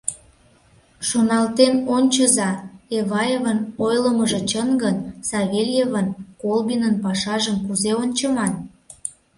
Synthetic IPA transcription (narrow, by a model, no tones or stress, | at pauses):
ʃonɑlt̪enonʲt͡ɕəzɑeβɑjevənojləməʒĕt͡ɕənɡənsɑβʲelʲjevənkolbinənpɑʃɑʒəmkuzeonʲt͡ɕəmɑt̪̚